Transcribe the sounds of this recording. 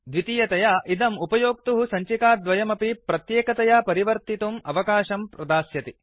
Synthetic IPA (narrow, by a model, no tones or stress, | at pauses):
d̪ʋit̪ijɐt̪ɐjaːʔid̪ɐmupɐjoːk̚t̪uɦusɐɲt͡ʃikaːd̪ʋɐjɐmɐpipɾɐt̪jeːkɐt̪ɐjaːpɐɾiʋɐɾt̪it̪umɐʋɐkaːʃɐmpɾɐd̪aːsjɐt̪i